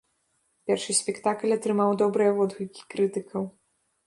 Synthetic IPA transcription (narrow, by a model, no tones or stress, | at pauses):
pʲɛrʂɨsʲpʲɛkt̪aklʲɐt̪ɾɨmawd̪ɔbɾɨjɐvɔd̪ɣujkʲi̥kɾɨt̪ɨkʰɐw